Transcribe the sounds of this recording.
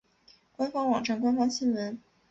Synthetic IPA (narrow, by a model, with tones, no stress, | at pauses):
kwa˥nfɑ˥ŋwɑ˨˩ŋʈ͡ʂa˥˩nkwa˥nfɑ˥ŋɕi˥nwə˧˥n